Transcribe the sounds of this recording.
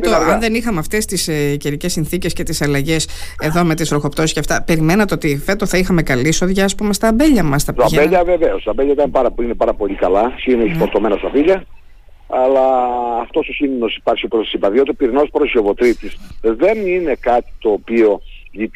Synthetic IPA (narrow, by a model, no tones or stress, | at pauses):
t̪oɐnðe̞nixɐmeɐft̪e̞st̪isceɾice̞sːinθice̞sce̞t̪isɐlɐʝe̞se̞ðo̞me̞t̪isfɾo̞xo̞pt̪o̞sisceɐft̪ɐpe̞ɾime̞nɐt̪eo̞t̪ife̞t̪oθɐixɐme̞kɐliso̞ðʝɐːspume̞st̪ɐːmbe̞ʎɐmɐst̪ɐt̪ɐbeʎɐveveost̪ɐmbeʎɐit̪ɐnpɐɾɐpuinepɐɾɐpo̞ʎʲikɐlɐsinoçifoɾt̪o̞me̞nɐst̪ɐviʎɐ | ɐlɐːft̪o̞sosinonosi̥pɐɾsiopɾosɐ̥sibɐðiot̪eopiɾino̞spɾosio̞vo̞t̪ɾit̪isðe̞nine̞kɐt̪i̥t̪oːpio̞i